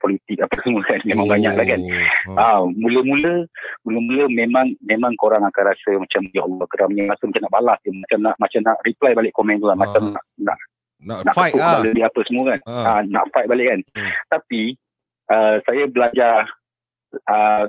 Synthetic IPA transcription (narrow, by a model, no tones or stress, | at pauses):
pɔlit̪ɪk̚apəsəmukanmemãŋbaɲaʔlahkanamũləmũləmuləmuləmemãŋmemãŋkoɾaŋakanɾasəmat͡ʃamjaɔlɔhkədamɲəɾasəmat͡ʃamnaʔbalast̪umat͡ʃamnaʔmat͡ʃamnaʔriplajbalɪʔkomɛ̃nt̪ukanmat͡ʃamna̰ʔna̰ʔ | ana̰ʔkəʊʔaʔləbiapəsəmũkanana̰ʔfajt̪̚balɪʔkant̪api | ʔəsajabəlad͡ʒa | ə